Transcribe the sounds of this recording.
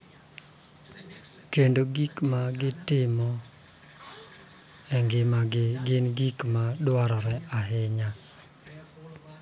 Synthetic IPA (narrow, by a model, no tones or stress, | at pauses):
kendoɡikmaɡɪtɪmɔ | ɛŋɡɪmaɡɪnɡikmadwaɾɔɾɛaɦɪɲa